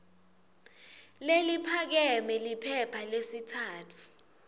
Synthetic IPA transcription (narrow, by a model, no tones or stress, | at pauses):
lelipʰak̬ɛmɛlipʰɛpʰalesitʰaːtʰu̥